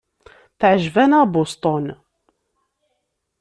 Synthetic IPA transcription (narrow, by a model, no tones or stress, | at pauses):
θʕʒvænabost̪ˤon